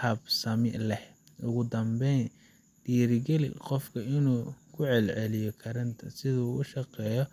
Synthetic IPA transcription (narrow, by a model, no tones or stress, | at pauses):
ɐbsɐmɪlɛh | ʔʊɣʊd̪ɐmbɛn | d̪̥iːɾɪɡɛlqɔfkʰɐɪnuːkʰʊʕɛlʕɛlɪjɔkʰɐɾɐnt̪ʰɐsɪðɐuːʔʊʃɑqɛːjɔ